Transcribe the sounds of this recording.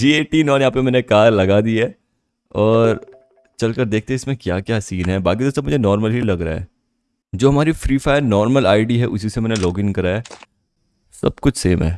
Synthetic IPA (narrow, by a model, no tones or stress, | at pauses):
d͡ʒiːeːʈinɔːnjɐɦãːpemɛ̃ːnekaːɾlɐɡad̪iɛː | ɔːɾ | t͡ʃɐlkɐɾd̪eːk̚ʰt̪eɦɛɪsmẽkjaːkjaːsiːnɦɛbaːkid̪oːst̪ɐmʊd͡ʒʱenɔːɾməlɦilɐɡɾa̰ɦɛ̰ː | d͡ʒoːɦɐmaːɾifɾiːfaːjɾnɔːɾməlaːɪɖiɦɛʔʊsisemɛ̃ːnelɔːɡɪ̃nkɐɾaɦɛː | sɐ̰b̚kʊt͡ʃʰseːmɦɛ̰̃ː